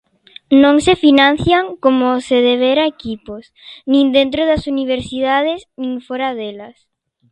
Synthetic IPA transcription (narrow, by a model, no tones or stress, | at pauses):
nõŋsefinãn̟θjaŋkomoseðeβ̞eɾaekipos | nĩnd̪ent̪ɾoðasuniβ̞eɾsiðað̞esnĩŋfoɾaðelas